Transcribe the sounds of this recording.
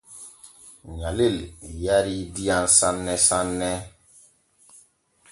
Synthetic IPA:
ɲaleljaɾidijansãnːɛsanːɛ

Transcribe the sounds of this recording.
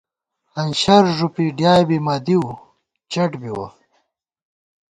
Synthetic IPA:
hɐnɕɐɾʐupiɖjaːjbimaːd̪iw | t͡ɕɐʈbiwɐ̰

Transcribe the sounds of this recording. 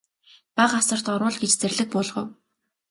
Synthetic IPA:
paʁasə̆r̥t̪ɔɾwʊ̆ːɮɡet͡ɕt͡særɮɘ̆k̚pʊːɮʁɞ̰̆w

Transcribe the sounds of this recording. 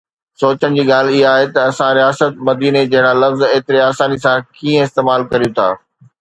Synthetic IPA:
soːt͡ɕəɽ̃d͡ʑiːɠaːl̤ɪɦaːɦet̪ɐɐsãɾijaːsət̪̚mɐd̪iːned͡ʑɐɦɪɽ̃alɐfzeːt̪ɪɾeaːsaːnisãkiːə̃ɪst̪eːmaːlkɐɾijũt̪ʰa̰ː

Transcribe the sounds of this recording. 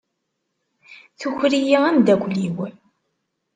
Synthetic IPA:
θuçɾijiænd̪ækʷliw

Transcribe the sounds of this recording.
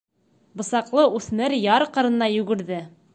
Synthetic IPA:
bŏsɑqlˠɤʔʉθmɘɾjɑɾqɤ̆ɾɤ̆nːɑjʉ̆ɡɘ̆ɾðɘ

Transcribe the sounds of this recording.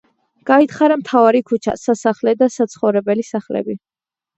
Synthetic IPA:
ɡ̥ait̪χaɾamt̪ʰavaɾikʰut͡ʃʰa̰sasaχlɛd̪asat̪sʰχɔvɾɛbɛlisaχlɛ̰bi

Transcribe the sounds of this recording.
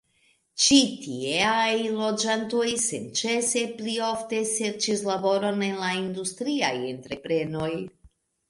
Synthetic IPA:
t͡ʃitieajlo̞d͡ʒanto̞jsḛnt͡ʃe̞se̞plio̞fte̞se̞ɾt͡ʃislabo̞ɾo̞ne̞nlaind̪ust̪ɾia̰je̞̰nt̪ɾe̞pɾe̞no̞j

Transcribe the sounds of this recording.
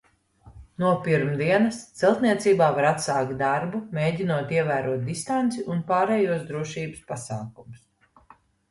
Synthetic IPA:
nuɔpiɾmd̪iɛnɐst̪sɛlˠt̪niɛt̪siːbaːvaɾat̪saːkt̪̚d̪aɾbumeːɟʲinuɔt̪iɛvæːɾuɔt̪̚d̪ist̪ant̪siʔunpaːɾɛːjuɔsd̪ɾuɔʃiːbəspasaːkumus

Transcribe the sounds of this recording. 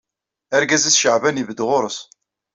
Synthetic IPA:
æɾɡæzæsʃəʕvænivəd̪ʁʊɾəs

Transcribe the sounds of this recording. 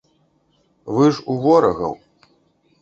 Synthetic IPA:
vɨʐuɣɔɾɐɣɐ̰w

